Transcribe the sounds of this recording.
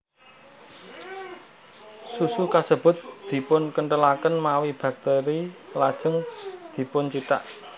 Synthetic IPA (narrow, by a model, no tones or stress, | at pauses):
susukasəb̥ʊ̤t̪̚d̪̥i̤pʊnkəɳʈəlakənmawib̥a̤k̚t̪eɾilad̥ʒ̥ə̤ŋd̪̥i̤pʊnt͡ʃit̪a̰ʔ